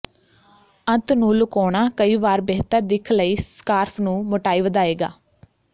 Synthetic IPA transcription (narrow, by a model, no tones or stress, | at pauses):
ə̃nt̪nũːlʊkoːɳ̃aːkəiːʋaːɾbɛːt̪əɾd̪ɪkʰləiːskaːɾpʰnũːmoʈaːiːʋəd̪aːeːɡa̰ː